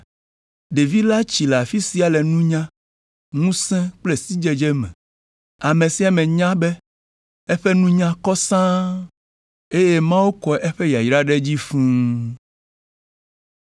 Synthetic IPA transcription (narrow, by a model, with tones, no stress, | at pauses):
ɖe˨vi˦la˦t͡ɕi˨le˨a˨fi˦si˨a˨lɛ˨nũ˦ɲã˦ | ŋũ˦sɛ̃˦k͡ple˦si˦d͡ʒɛ˦d͡ʒe˦mɛ̰̃˨ | a˨mẽ˨si˨a˨mɛ̃˨ɲã˦bɛ˦ | ɛ˦ɸɛ˦nũ˦ɲã˦kɔ˦sã˦ | e˦je˦mã˦wo˦kɔ˨ʔɛ˦ɸe˦ja˨i˨ɾa˦ɖe˦d͡ʑi˦fũ˦